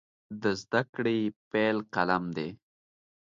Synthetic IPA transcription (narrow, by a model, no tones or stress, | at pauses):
d̪əzd̪akɽepelqalamd̪e